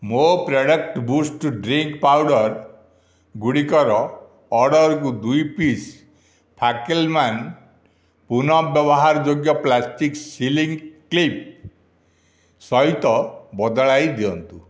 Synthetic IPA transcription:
mopɾɔɽʌkʈbusʈɖɾiŋkpawɽɔɾ | ɡuɽikɔɾɔː | ɾɖɔɾɔkud̪ujpis | pʰakelman | punɔbjɔbɔɦaɾɔd͡ʒoɡjɔplasʈiksiliŋklip̚ | sɔjt̪ɔbɔd̪ɔɭajd̪iɔnt̪u

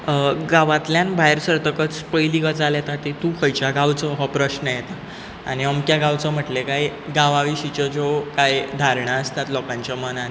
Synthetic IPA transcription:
ɡaʋãt̪ljanbʱajɾsəɾt̪əkət͡spəjliɡət͡saljet̪at̪it̪ũkʰəjt͡ɕjaɡawt͡sɔɦɔpɾəɕnəjɛt̪a | añiəmkjaɡawt͡sɔm̤əʈlekajɡaʋaʋiɕit͡ɕɔd͡zokajd̪ʱaɾɳaəst̪at̪lɔkãɲt͡ɕjamənane

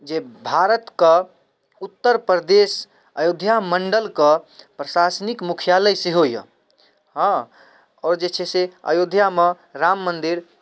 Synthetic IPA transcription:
d͡ʒebʱaɾət̪kə | ut̪ːəɾpɾəd̪es | əjod̪ʱjaməɳɖəlkəpɾəsasnikmukʰijaləjseɦojə̰̃ | ɦə̃ | ɔːɾd͡ʒet͡ʃʰeseə̰jod̪ʱjame | ɾamːənd̪iɾ

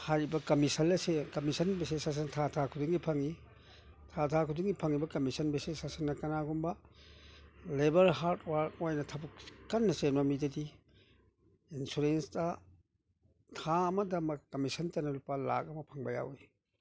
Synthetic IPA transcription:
hajɾibɐkɐmisɐnɐsekɐmisɐnbesesas̬ɐntʰatʰakʰudiŋɡipʰɐŋi | tʰatʰakʰudiŋɡipʰɐŋibɐkɐmisɐnbesesasɐnːɐkɐnaɡumbɐ | lebɐɾɦaɾtwaɾtojnɐtʰabukkɐnːɐsenamidɐdi | insuɾensdɐ | tʰaːmɐdɐmɐkɐmisɐntɐnɐlupala̰k̚ɐmɐpʰɐŋbɐja̰wi

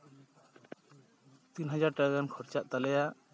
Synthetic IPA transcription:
t̪inɦad͡ʒaɾʈaɡankʰɔɾt͡ʃaʔt̪alɛjaʔ

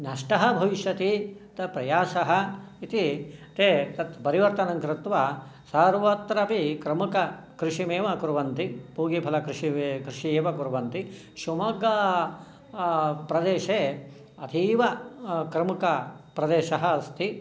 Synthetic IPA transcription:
nɐʂʈɐɦɐbʱɐʋiʃjɐt̪it̪ɐpɾɐjaːsɐɦɐ | it̪it̪et̪ɐt̪pɐɾiʋɐɾt̪ɐnɐŋkɾɪt̪ʋɐ | saːɾʋɐt̪ɾɐpikɾɐmukɐ | kɾɪʂimeːʋɐkuɾʋɐnt̪ipuːɡipʰɐlɐkɾiʂikɾɪʂieːʋɐkuɾʋɐnt̪i | ʃumɐɡɐ | pɾɐd̪eːʃeː | ɐd̪ʰʱiːʋɐkɾɐmukɐpɾɐd̪eːʃɐɦɐːst̪ʰi

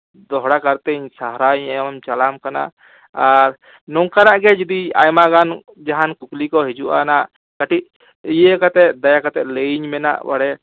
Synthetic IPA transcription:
d̪ɔɦɽakaɾt̪ɛɲsaɦɾaɲajmamt͡ʃalamkana̰ʔ | aɾ | nɔŋkanaʔɡɛd͡ʒid̪ia̰jmaɡan | d͡ʒaɦankuklikɔɦɛd͡ʒuʔa̰naʔ | kaʈiʔ̚ | ijəkat̪ɛʔ̪̚d̪ajakat̪ɛʔ̪̚leiɲmɛna̰ʔwa̰ɽɛ

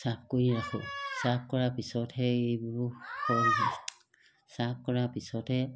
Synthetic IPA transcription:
sap̚ʰkoɹiɹakʰɔ̰sap̚ʰkɔɹapisɔtʰhɛejbuɹukʰɔnɦa | sap̚kɔɹapisɔtʰɛ

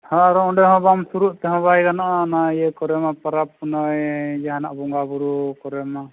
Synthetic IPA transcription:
haaɾɔɔɖɛɦɔ̃bamsuɾuʔt̪ɛɦɔ̃βajɡanaʔaːnaijɛkɔɾɛmapaɾap̚ːɔnɔjd͡ʒaɦana̰ʔbɔŋɡabuɾukɔɾɛma

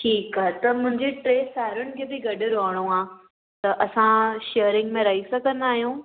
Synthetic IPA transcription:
ʈʰiːkaːet̪ɐmʊ̃ɦɪ̃ɲd͡ʑeʈɾeːsaːɦɪɾʊnɪ̆kʰeːbɪɡɐɖɪɾoɦəɽ̃uãː | t̪ɐʔɐsãʃeːɾɪ̃ŋɡmẽɾɐɦisɐɡʱə̃nd̪aːɦijũː

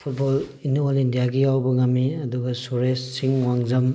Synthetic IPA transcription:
pʰut̚bolinuolindijaɡijawbɐŋɐmːiɐduɡɐsoɾessiŋwaŋzɐm

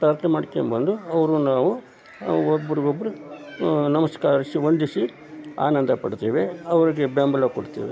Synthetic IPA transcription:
pɾaɾt̪ʰɐmaːɖikembɐnd̪uɐʋɐɾunaːʋu | obːɐɾiɡobːɐɾu | nɐmɐskaːɾɐsiʋond̪isi | a̰ːnɐnd̪ɐpɐɽt̪eːʋeɐʋɐɾiɡebaːmbɐlɐkoɽt̪ḛːʋe

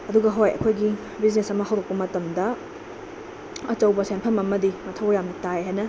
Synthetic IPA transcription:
ɐduɡɐɦojɐ̰kʰojɡi | biznesɐmɐɦɐwdok̚pɐmɐtɐmdɐ | ɐt͡ʃɐwbɐsenpʰɐmɐmɐdimɐtʰɐwjamitajɦajnɐ

